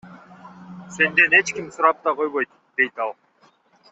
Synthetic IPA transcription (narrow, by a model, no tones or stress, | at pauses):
se̞nd̪e̞ne̞t͡ʃkimsuɾɑp̚t̪ɑqo̞jβo̞jt̪ | d̪̥e̞jt̪ɑlˠ